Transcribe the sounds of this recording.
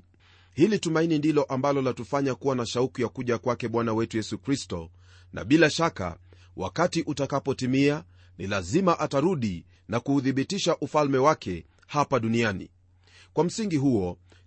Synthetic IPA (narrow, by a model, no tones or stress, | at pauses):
hilitumainindilɔʔambalɔlatufaɲakuwanaʃaukujakuʄakwakɛɓwanawɛtujɛsukɾistɔ̰ | nʔa̰ɓilaʃaka̰ | wʔa̰katiʔutakapɔtimia | nilazimaʔataɾuɗi | nakuːðiɓitiʃaʔufalmɛwakʰɛ | hapaɗunianḭ | kwam̩siŋɡiɦuɔ